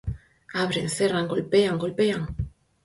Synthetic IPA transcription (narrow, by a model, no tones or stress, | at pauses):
aβɾeŋθeraŋɡolpeaŋɡolpeaŋ